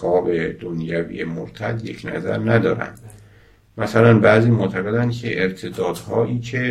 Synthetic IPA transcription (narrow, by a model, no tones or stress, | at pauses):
ɒːbe̞d̪̥onjævḭːjemoɾt̪ʰæd̪jecʰnæ̰zæ̰ɾnæd̪ɒ̰ːɾæ̰nd̪̥ | mæsælænbæːziːmoʔt̪ʰæɣe̞d̪ænkʰeʔeɾt̪ʰed̪ɒːd̪hɒːʔiːcʰe̞